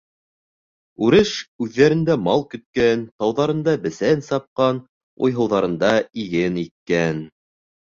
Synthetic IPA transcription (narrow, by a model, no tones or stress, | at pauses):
ʉɾɘʃʉðːæɾɘ̆nd̪æmɑlˠkɵ̆t̪̚kænt̪ɑwðɑɾɤ̆nd̪ɑbɘ̆sænsɑp̚qɑn | ṵjɦɤ̆wðɑɾɤ̆nd̪ɑiɡɘnit̪̚kæn